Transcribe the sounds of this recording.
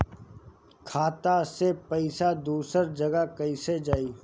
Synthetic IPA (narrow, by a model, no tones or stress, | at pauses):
kʰaːt̪asepɐɪsad̪uːsəɾd͡ʒɐɡakɐised͡ʒaːi